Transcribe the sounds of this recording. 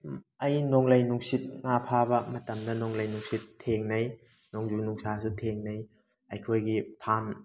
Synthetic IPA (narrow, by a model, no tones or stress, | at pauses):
ɐjnoŋlɐjnuŋsit̚ŋapʰabɐmɐtɐmdɐnoŋlɐjnuŋsitʰːeŋnɐj | noŋzunuŋsasutʰeŋnɐj | ɐjkʰojɡipʰam